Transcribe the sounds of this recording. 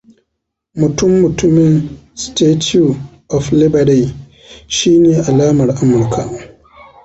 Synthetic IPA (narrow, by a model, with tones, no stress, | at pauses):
mʊ˨tʊ˦mːʊ˨tʊ˦mɪ˨nsteː˦tʰu˨ | ʔɔ˨flɪ˦bɐ˨ɽe˨ | ʃiː˦neː˨ʔa˨laː˦mɐ˨rʔa˦mʊ˨rkʰa˨ʔ